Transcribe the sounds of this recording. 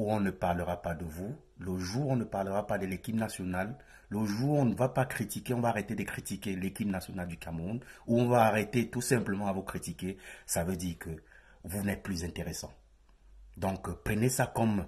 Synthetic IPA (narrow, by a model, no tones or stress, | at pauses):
uɔ̃nəpaʁləʁapad̪əvu | ləʒuːʁɔ̃nəpaʁləʁapad̪əlekʲipnasjɔnalː | əʒuːʁɔ̃nəvapakχit̪ikʲeɔ̃vaːʁet̪ed̪əkχit̪ikʲelekʲipnasjɔnald̪ykamʁunuɔ̃vaːʁet̪et̪usɛ̃pləmɑ̃avukχit̪ikesavød̪iːʁkə | vunɛt̪̚plyzɛ̃t̪eʁesɑ̰̃ | d̪ɔ̃kpχənesakɔm